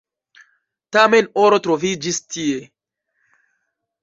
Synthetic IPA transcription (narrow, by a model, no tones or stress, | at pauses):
tamenoɾotɾovid͡ʒistʰie